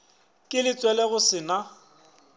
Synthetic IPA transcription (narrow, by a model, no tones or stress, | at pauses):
kʼɪlɪt͡sʼwɛlɛɣʊsɪna